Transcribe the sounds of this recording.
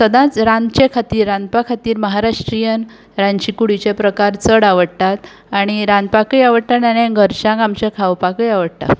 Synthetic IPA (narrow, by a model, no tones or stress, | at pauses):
səd̪ãt͡sɾãnt͡ɕekʰat̪iːɾːãnd̪pakʰat̪iːɾməɦaɾaʂʈɾijən | ɾãnɕikuɽit͡ɕepɾəkaɾt͡səɽaʋəɽt̪at̪ | aɽ̃iɾãnd̪pakəjaʋəɽt̪ananẽɡʱəɾɕãŋɡamt͡ɕekʰawpakəjaʋəɽt̪a̰